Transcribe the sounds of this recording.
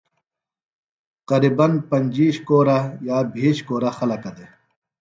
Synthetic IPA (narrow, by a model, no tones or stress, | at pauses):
qɐɾiːbɐnpɐɲʲd͡ʑiːɕkoːɾajaːbʱiːɕkoːɾaxɐlɐkɐd̪e